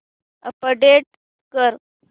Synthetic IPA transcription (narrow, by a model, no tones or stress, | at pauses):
ə̰pəɖeʈ̚ | kəɾ